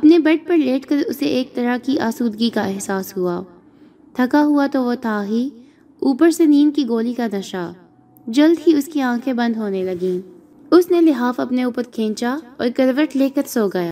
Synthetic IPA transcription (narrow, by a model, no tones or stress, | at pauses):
ɐpnebɛʈ̚pɐɾleːʈkɐɾʊseʔeːk̚t̪ɐɾakiʔaːsuːd̪ɡikaɛɦsaːsɦuaː | t̪ʰɐkaɦuat̪oʋot̪ʰaːɦi | uːpəɾseniːnkiɡoːlikanɐʃaː | d͡ʒɐld̪ɦiʊskiãːkʰẽbɐ̃nd̪ɦoːnelɐɡĩː | ʊsnelɪɦaːfɐpneuːpəɾkʰẽːɲt͡ʃaɔ̰ːɾkɐɾʋəʈleːkət̪soːɡɐjaː